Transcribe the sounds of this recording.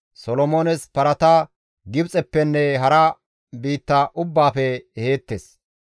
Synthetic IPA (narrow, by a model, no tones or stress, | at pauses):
sɔlɔmoːnɛspɐɾɐt̪a | ɡɪbt͡sʼɛpːɛnːɛɦɐɾɐ | biːt̪ːɐʔʊbːaːfɛheːt̪ːes